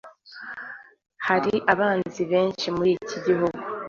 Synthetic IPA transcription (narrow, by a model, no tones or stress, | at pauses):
haɾiʔaβaːnziβe̞ːnʃimuɾiciɟiɦuɡu